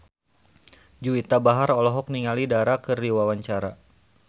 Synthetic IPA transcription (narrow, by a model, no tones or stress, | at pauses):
d͡ʒuit̪abaɦaɾɔlɔɦɔk̚niŋalidaɾakəriwawaɲt͡ʃaɾa